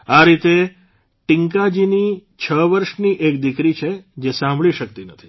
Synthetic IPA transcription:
aɾit̪e | ʈĩŋkad͡ʒinit͡ʃʰəʋəɾʃniʔek̚d̪ikɾit͡ʃʰed͡ʒesãmbʱɭiʃəkt̪inət̪ʰi̥

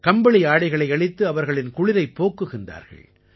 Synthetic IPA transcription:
kɐmbɐɭɪjaːɽɪɣɐɭɐɪɐɭɪt̪ːɯɐʋɐɾɣɐɭɪnkʊɻɪðɐɪpːoːkːɯɣɪnd̪a̰ːɾɣɐ̰ɭ

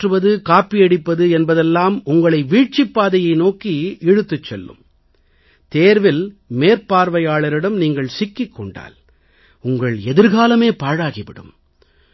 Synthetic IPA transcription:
ʈrɯʋɐðɯkaːpːiɛɽɪpːɐðɯɛnbɐðɛlːaːmʊŋɡɐɭɐɪʋiːʈ̚t͡ʃɪpːaːðɐjɐɪnoːkiɛɻɯt̪ːɯt͡ʃːɛlːɯ̰m | t̪eːɾʋɪlmeːɾpaːɾʋɐjaːɭɐɾɪɽɐmniːŋɡɐɭsɪkːɪkːɔɳɖa̰ːl | ʊŋɡɐɭɛðɪɾɣaːlɐmeːpaːɻaːɣɪʋɪɽɯ̰m

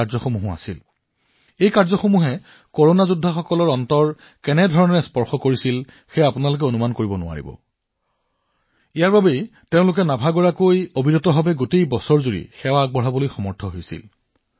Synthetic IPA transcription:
azɔxomuɦɔa̰sil | ejkaɹzɔxomuɦɛ | koɹonazudʱːaxɔkɔlɔɹɔntɔɹ | kɛnɛdʱɔɹɔnɛspɔɹxɔkoɹisil | xɛapʊnalʊk̬ɛonumankoɹibɔnʊ̰a̰ɹḭbɔ̰ | ijaɹbabejteʊ̃lʊkɛnabʱaɡɔɹakojobʱiɹɔtɔbʱabɛɡotejbɔsɔɹzuɹḭxɛwaɡ̚bɔɦabolojxɔmɔɹtʰɔɦojsḭl

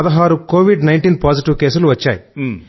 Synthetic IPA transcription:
ɐd̪ɐɦaːɾuko̞ːʋiɖnɐjɳʈiːnpaːd͡ʒiʈiʋke̞ːsuluʋɐt͡ʃːa̰ːji

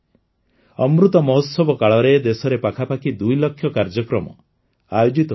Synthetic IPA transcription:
ɔmɾut̪ɔmɔɦɔt̪sɔbɔkaɭɔɾed̪esɔɾepakʰapakid̪ujlɔkʰːjɔkaɾd͡ʒɔkɾɔmɔ̰ | ajod͡ʒit̪ɔ

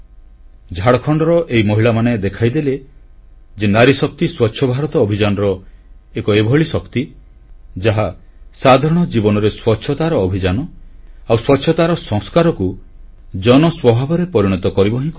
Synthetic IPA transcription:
d͡ʒʱaɽɔkʰɔɳɖɔɾɔʔeimɔɦiɭamaned̪ekʰajd̪ele | d͡ʒenaɾisɔk̚t̪iswɔtːʃʰɔbʱaɾɔt̪ɔːbʱid͡ʒanɔɾɔekɔebʱɔɭisɔkt̪i | d͡ʒaɦa | sad̪ʱaɾɔɽ̃ɔd͡ʒibɔnɔɾeswɔtːʃʰɔt̪aɾɔːbʱid͡ʒanɔawswɔtːʃʰɔt̪aɾɔsɔ̃ŋskaɾɔku | d͡ʒɔnɔswɔbʱabɔɾepɔɾiɽ̃ɔt̪ɔkɔɾibɔɦĩkɔ

